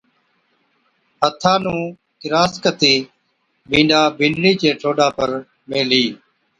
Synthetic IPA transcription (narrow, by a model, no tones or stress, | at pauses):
ɦət̪ʰaːnũː | kɪɾaːskət̪iː | bĩːɳɖaːbʱɪ̃ːɳɖɾiːt͡ʃeːʈʰoːɗaːpəɾ | meːliː